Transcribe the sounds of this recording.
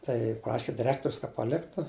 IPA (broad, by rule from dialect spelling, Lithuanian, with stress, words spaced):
ˈtɐɪ ˈprɑːʃʲɪ dʲɪˈrʲæːktoːrʲʊs kɐ pɐˈlʲɪktʊ